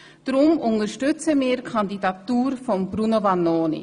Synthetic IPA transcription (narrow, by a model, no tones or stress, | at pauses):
d̥ɾʊmʊŋəɾʃtʏt͡səmɪːɾkʰɑnd̪idɑtuːɾfɔmbɾunovɑnːoːnḭ